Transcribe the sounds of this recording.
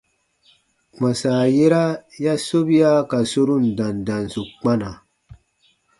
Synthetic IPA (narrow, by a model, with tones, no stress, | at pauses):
ma˨saː˨je˦ɾa˦ja˦so˦bi˦ja˦ka˨so˦ɾu˦˨n˨da˨ndã˨nsu˨k͡pa˦na˨